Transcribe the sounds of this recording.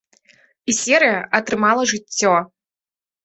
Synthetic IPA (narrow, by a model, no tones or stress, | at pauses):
isʲɛɾɨjɐʔɐt̪ɾɨmalˠɐʐɨt͡st͡sʲːɔ